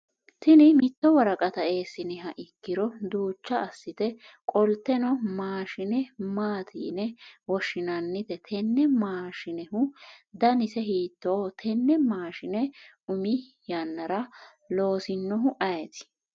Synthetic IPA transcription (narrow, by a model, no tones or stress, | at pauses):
t̪ɪnɪmɪt̪ːɔwɐɾɐkʼɐt̪ɐe̞ːsːɪnɛɦɐʔɪkːɪɾɔd̪uːt͡ʃːɐʔːsːɪt̪ɛ | kʼɔlt̪ːɛnɔmaːʃɪnɛmaːt̪ʰḭːnɛwɔʃːɪnɐnːɪt̪ɛt̪ʰɛnːɛmaːʃɪnɛhʊd̪ɐnɪsɛɦiːt̪ːoːt̪ʰɛnːɛmaːʃɪnɛ | ʊmɪ | jɐnːɐɾɐ | lo̞ːsɪnːɔɦʊʔɐjɛt̪ɪ̥